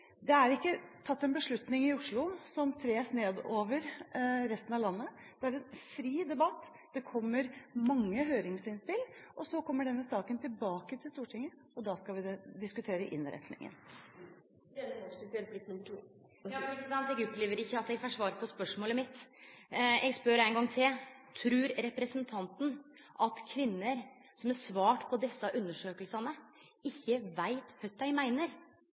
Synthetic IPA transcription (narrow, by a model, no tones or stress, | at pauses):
d̪ɛæɾɪkːət̪ʰɑt̪ːɛnbəʂɭʉt̪nɪŋɪʊʂɭʊsɔmt̪ʰɾeːsneːd̪oːʋəɾɾɛst̪ənɑʋlɑnːəd̪̥ɛæɾɛnfɾiːd̪ɛbɑt̪ː | d̪̥ɛkʰɔmːəɾmɑŋːəɦøːɾɪŋsɪnspɪlʔɔsɔkʰɔmːəɖɛnːəsɑːkənt̪ʰɪlbɑːkət̪ʰɪlst̪uːʈʰɪŋːə | ɔd̪ɑːskɑlʋɪd̪ɪskʉt̪ʰeːɾəʔɪ̰nɾɛ̰t̪nɪ̰ŋə̰n | ɛɔɪt̪ɛlblɪk̪nʉməʈʰuː | jɑːɛkːəsɑnt̪ɛɡɔpleːʋəɾɪçːəɑt̪ɛɡfɔʂʋɑːɾpʰɔspœʂmoːləmɪt̪ | ɛɡspœɾæɪnɡɑŋt̪ʰet̪ʰɾʉːɾɾɛpɾəsənt̪ʰɑnt̪n̩ | ʔɑt̪kʰʋɪnːəɾ | sɔmæʂʋɑːʈpʰɔd̪ɛsːɑʔʉnːəʂøːkəlsɑnə | ɪçːəʋæɪt̪hœt̪d̪æɪmæɪnəɾ